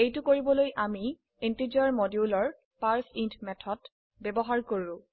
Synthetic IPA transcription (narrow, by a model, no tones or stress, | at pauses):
ejtʊkoɹibɔlojʔami | entid͡ʒɔɹmɔdiulɔɹ | paɹsintʰmɛtʰɔt | bebɔɦaɹkoɹʊ̃